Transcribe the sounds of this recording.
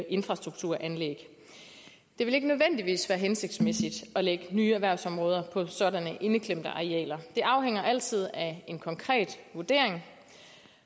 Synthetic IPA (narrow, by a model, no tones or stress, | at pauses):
ʔe̝nfʁɑ̈sd̥ʁuɡ̥̚t͡sʰuɐ̰ʔænleɡ̥ | d̥e̝ʋe̝le̝ɡ̥ənøð̞ˠʋen̰d̥iʋḭːsʋæːɐɦense̝ɡ̥̚d̥smesid̥ɒ̽leɡ̥ənyːæʋæɐʊsɒ̽mʁɔːð̞ˠɐpʰɒ̽sɒ̽dænəʔe̝nəkʰlem̰d̥əʔɑ̈iɛ̰ːlɐd̥e̝ʔɑ̈ʊɦeŋ̰ɐʔæl̰t͡sʰið̞̰ˠæe̝nkʰɒ̽ŋkʰʁɛ̰ːd̥ʋuɐd̥e̝ɐ̰e̝ŋ